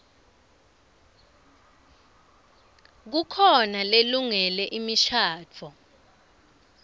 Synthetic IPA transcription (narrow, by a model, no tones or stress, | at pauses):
k̬ukʰɔnaleluŋɛlɛʔimiʃʰaːt͡fʰɔ